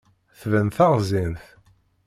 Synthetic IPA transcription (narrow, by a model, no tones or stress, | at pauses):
θvənθaʁzinθ